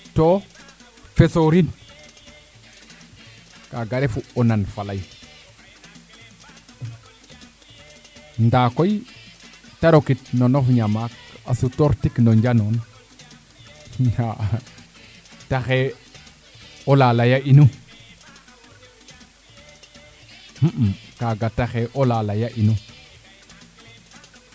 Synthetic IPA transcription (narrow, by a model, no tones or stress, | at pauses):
to | fesoɾin | kaɡaɾefuonanfalaji | ndakoj | taɾokitnonofɲamaka̰sutoɾtiknoɲd͡ʒanon | ja | taxe | olalajaʔinu | m̩kaɡataxeʔolalajaʔinu